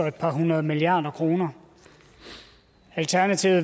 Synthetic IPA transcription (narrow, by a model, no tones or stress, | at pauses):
ɒe̝d̥̚pʰɑ̈ɦunɐðˠmiliɑ̈ːd̥ɐkʰʁo̝ːnɐ | ælt͡sʰæɐnæt͡sʰiʊð̩ˠ